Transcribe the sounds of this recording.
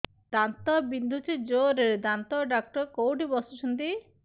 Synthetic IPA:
d̪ant̪ɔbind̪ʱut͡ʃʰid͡ʒoɾed̪ant̪ɔɖak̚ʈɔɾkowʈibɔsɔt͡ʃʰunt̪i

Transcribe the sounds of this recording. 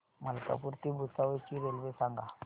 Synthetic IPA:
malka̰puɾt̪ibusawet͡ʃiɾelbesaŋɡa

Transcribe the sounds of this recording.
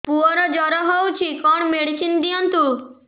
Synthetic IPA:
puɔɾɔd͡ʒɔɾɔɦɔwt͡ʃʰikɔɳmeɽisind̪ijɔnt̪u

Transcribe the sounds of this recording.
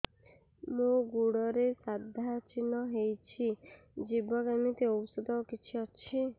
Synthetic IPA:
mũɡuɽɔɾesad̪ʱat͡ʃinɔɦejt͡ʃʰi | d͡ʒibɔɡemit̪eowsud̪ɔkit͡ʃʰiɔt͡ʃʰi

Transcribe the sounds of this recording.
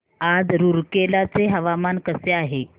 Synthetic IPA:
ad͡zɾuɾkelat͡seɦəʋamankəseaɦe

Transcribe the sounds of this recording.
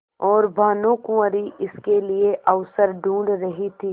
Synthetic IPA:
ɔːɾbʱaːnõkũəɾiʔɪskelieʔɐʋsəɾɖũːɳɖɾɐɦit̪ʰiː

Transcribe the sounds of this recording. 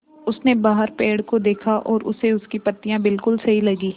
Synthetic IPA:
ʊsnebaːɦəɾpeːɽkod̪eːkʰaʔɔːɾʊ̰seʊskipɐt̪ːijãbɪlkʊlsɐɦilɐɡiː

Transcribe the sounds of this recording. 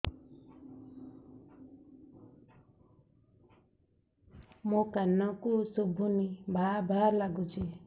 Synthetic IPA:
mokanːãkusubʱunibʱabʱaɾlaɡũt͡sʰi

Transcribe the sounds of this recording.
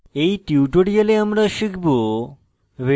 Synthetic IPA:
ejʈiwʈoɽijaleamɾaʃikʰbo | ʋe

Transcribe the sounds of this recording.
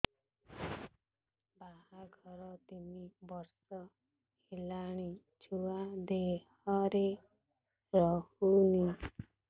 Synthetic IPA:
baɦaɡʱɔɾɔt̪imibɔɾsɔ | helaɽ̃i | d͡ʒʰuad̪ehɔɾe | ɾɔhuni

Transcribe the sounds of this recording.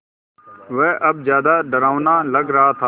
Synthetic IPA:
ʋɛːʔəb̚zjaːd̪aːɖəɾaːʋnaːləɡɾəɦat̪ʰa

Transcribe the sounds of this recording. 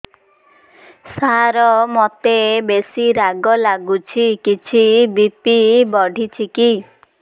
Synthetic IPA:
saɾɔmot̪ebesiɾaɡɔlaɡut͡ʃʰikit͡ʃʰibipibɔɖʱit͡ʃʰiki

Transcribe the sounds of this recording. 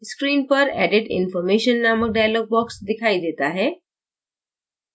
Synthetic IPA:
skɾiːnpəɾɛ̰ːɖeʈɪ̰nfɔːɾmeːʃənːaːmək̚ɖaːjloːɡ̚bɔːksd̪ɪkʰaːid̪eːt̪aɦɛː

